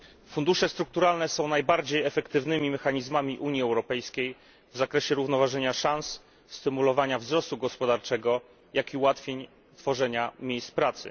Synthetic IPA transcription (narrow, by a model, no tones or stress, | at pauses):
fund̪uʂɛst̪ɾuk̚t̪uɾalnɛsɔ̃w̃najbaɾd͡ʑejɛfɛkt̪ɘvnɘmʲimɛxaɲizmamʲiʔuɲjiɛwɾɔpɛjskʲej | vzakɾɛɕɛɾuvnɔvaʐɛɲaʂansː | t̪ɘmulɔvaɲavzɾɔst̪uɡɔspɔd̪aɾt͡ʂɛɡɔ | jakiuwat̪fʲjeɲ | t̪fɔʐɛɲamʲjejst̪pɾat̪sɘ̰